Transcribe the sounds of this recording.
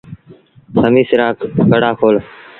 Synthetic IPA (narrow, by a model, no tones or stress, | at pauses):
sʰəmiːsɪɾaːkkəɽaːkʰoːl